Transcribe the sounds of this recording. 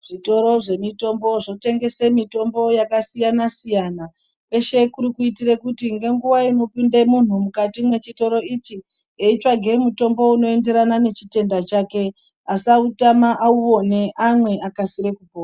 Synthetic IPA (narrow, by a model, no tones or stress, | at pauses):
ʐ̥ito̞ɾo̞ʐe̞mito̞mbo̞ʐo̞te̞ŋɡe̞se̞mito̞mbo̞jakasijanasijana | pwe̞ʃe̞kuɾikuitire̞kutiŋɡe̞ŋɡuʋaino̞pindemun̤umukatimwe̞t͡ʃito̞ɾo̞it͡ʃi | eit͡ʃaɡʱe̞muto̞mbo̞uno̞e̞nde̞ɾanane̞t͡ʃite̞ndat͡ʃake̞ | asautamaʔauo̞ne̞ʔamwe̞akasiɾe̞kupoːa